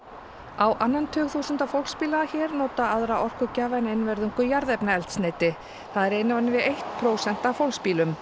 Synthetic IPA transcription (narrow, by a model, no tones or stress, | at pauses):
awʔanːant̪ʰʏːɣθusʏnt̪afowlspiːlaaçɛːɾnoːt̪aaðɾaʔɔr̥kʏcaːvanenvɛɾðʏŋkʏjaɾðɛpnaɛl̥t̪sneːjt̪ɪ | θaðɛɾejnavanɪvɪðejht̪pʰɾoːwsɛn̥t̪awfowlspiːlʏm